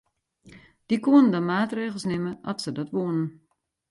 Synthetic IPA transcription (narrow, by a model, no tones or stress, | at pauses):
d̥ikuənəndəmaːtreːɣl̩ˠsnɪməʔɔtsədɔtʋoənən